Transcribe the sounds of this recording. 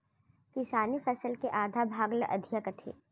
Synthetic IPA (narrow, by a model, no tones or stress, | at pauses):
kɪsaːnifɐsəlkeʔaːd̪ʱabʱaːɡləʔɐ̰d̪ʱijəkət̪ʰḛː